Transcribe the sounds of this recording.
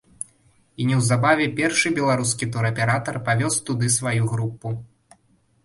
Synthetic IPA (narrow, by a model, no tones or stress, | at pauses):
inʲɛwzabavʲɛpʲɛrʂɨbʲɛlˠaɾuskʲit̪ɔɾɐpʲɛɾat̪ɐrpavʲɔst̪ud̪ɨsvajuɣɾupːu